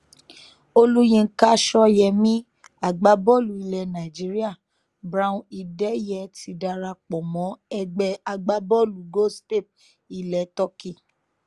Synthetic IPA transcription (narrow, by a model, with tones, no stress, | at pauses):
o˧lu˦jĩ˧˦ka˦ʃɔ˧jɛ˧mĩ˦ | a˨ɡ͡ba˨˦bɔ˦˨lu˨˦i˧lɛ˧nã˨d͡ʒi˨˦ɾi˦a˦˨ | bɾa˧ũ˧i˧dɛ˦jɛ˧˦ti˨˧˦da˧ɾa˧k͡pɔ˨mɔ̃˨˦ɛ˧ɡ͡bɛ˧a˧ɡ͡ba˦bɔ˦lu˨ɡo˦ste˦˨p̚ | i˨lɛ˨˦tɔ˦ki˦˨